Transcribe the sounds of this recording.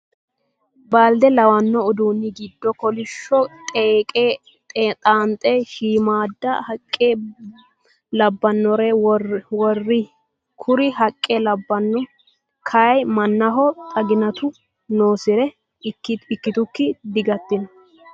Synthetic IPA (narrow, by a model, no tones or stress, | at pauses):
baːld̪ɛlɐwɐnːɔɔd̪uːnːɪɡɪd̪ːɔkɔlɪʃːɔt̪ʼeːkʼe | t̪ʼet̪ʼaːnt̪ʼɛʃiːmaːd̪ːɐ̰hɐkʼːe | lɐbːɐnːɔɾewɔrːɪ | kʰʊɾɪɦɐkʼːɛlɐbːɐnːɔ | kʰɐjmɐnːɐɦɔt̪ʼɐɡɪnɐt̪ʊ | noːsɪɾɛ | kːɪtɪkːɪt̪ʊkːɪd̪ɪɡɐt̪ːɪnɔ